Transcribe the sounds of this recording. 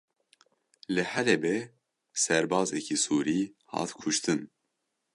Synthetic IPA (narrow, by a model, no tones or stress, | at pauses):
lɨhɛlɛbɛ | sɛɾbɑːzɛkʰisuːɾiːhɑ̰ːt̪kʰuʃt̪ʰɨn